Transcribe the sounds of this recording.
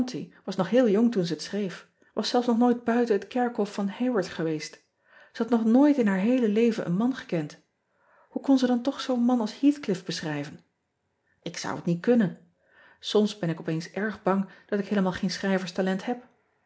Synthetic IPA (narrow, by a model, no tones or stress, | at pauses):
ntḭʋɑsnɔχɦɪːlˠjoŋtunzəətsrejf | ʋʔɑsɛlˠfsnɔχnoːjd̚bœɥtənətkɛɹkɦɔfːɑnhewəɹtχəʋejst | z̥əɦɑtnɔχnoːjtɪnɦaːɹɦejləlejvənʔə̰nmɑnχə̥kɛnt | hukɔnzədɑntɔχsownmɑnɑlˠshiːθklɪfb̥əsχrɛjvən | ʔɪksʌ̰wətnit̚kɵnən | sɔmsbɛnɪkɔpejnsɛɹχbɑŋd̥ɑtɪkɦejləmaːlˠχejnsχrɛjvəɹstalɛnthɛp